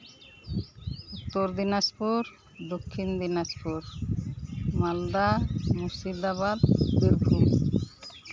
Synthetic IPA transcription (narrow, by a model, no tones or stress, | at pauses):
ut̪ːoɾd̪inaspuɾ | d̪okʰːind̪inaspuɾ | mald̪amusid̪aβad̪biɾbʱum